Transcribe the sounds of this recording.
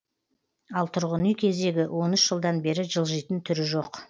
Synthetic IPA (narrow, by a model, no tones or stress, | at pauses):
ɑlˠt̪ʰʊɾʁənijkʲʰe̞zd̪e̞ɡʲɪwʔo̞nʏʃʒ̥əlˠd̪ɑnbe̞ɾɪʒəlˠʒijt̪ənt̪ʰʏɾɪʒo̞q